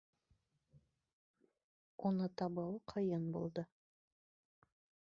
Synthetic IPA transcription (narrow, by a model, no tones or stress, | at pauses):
onɤt̪ɑbɤqʰɤ̆jɤnbṵlˠd̪ɤ